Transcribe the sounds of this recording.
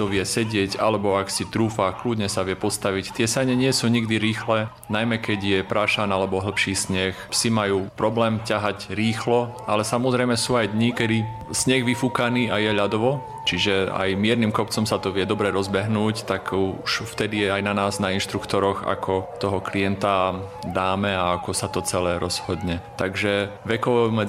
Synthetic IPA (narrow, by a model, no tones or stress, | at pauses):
tɔʋɪɛsɛɟɪɛcalɛbɔaksit̪ɾuːfaklud̪ɲɛsaʋɪɛpɔst̪aʋict̪ɪɛsɛɲɛɲɪɛsuːɲiɡd̪iɾiːxlɛ | najmɛkɛɟjɛpɾaʃanalɛbɔɦl̩pʃiːsɲɛxpsimajuːpɾɔblɛːmcaɦacɾiːxlɔalɛsamɔzɾɛjmɛsuːajd̪ɲikɛd̪i | sɲɛɣʋifukaniːajɛʎad̪ɔʋɔ | t͡ʃiʒɛa̰jmɪɛɾnimkɔp̚t͡sɔmsat̪ɔʋɪɛd̪ɔbɾɛɾɔzbɛɦnuːct̪aɡuuʃft̪ɛd̪ijɛajnanaːznainʃt̪ɾukt̪ɔɾɔxa̰kʰɔt̪ɔɦɔkliɛnt̪a | d̪aːmɛaakɔsat̪ɔt͡sɛlɛːɾɔz̥hɔd̪ɲɛt̪aɡʒɛʋɛkɔʋɔmɛ